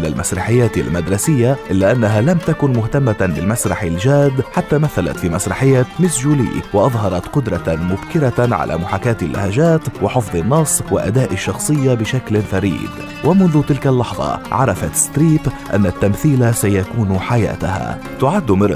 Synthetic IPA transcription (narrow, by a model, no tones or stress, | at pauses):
ɪlalmʔasɾˤɑħɪjːaːt̪ɪ̰lmad̪ɾˤɑsɪjːaʔɪlːaʔanːaɦalamt̪akʊnmʊht̪amːabɪlmasɾˤɑħɪlʒaːd̪ħat̪ːamaθːala̰t̪fiːmasɾˤɑħɪjːamɪsʒuːlḭːwɪʔɑðˤɦɑɾˤɑt̪qʊd̪ɾˤɑmʊbkɪɾaʕa̰lʔa̰mʊħakaːt̪ɪlːa̰haʒaːt̪wɪħɪfðˤɨnːɑsˤːwɪ̰ʔa̰d̪aːʔaʃːɑxsˤɨjːabɪʃaklfaɾḭːd̪ | wʔamʊnðʊt̪ɪlkalːɑħðˤɑ̰ʕɑɾˤɑfat̪st̪ɾiːpʔa̰nːat̪ːamθiːlasajakuːnħaja̰ːt̪a̰ha̰ | t̪ʊʕad̪ːmɪɾ